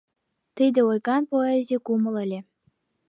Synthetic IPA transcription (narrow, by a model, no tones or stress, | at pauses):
t̪ijd̪ĕojɣɑnpoezʲekumɤ̆lˠə̆lʲĕ